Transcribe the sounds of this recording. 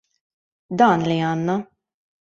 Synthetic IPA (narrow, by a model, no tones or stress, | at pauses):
d̪ɐːnliɐːnːɐ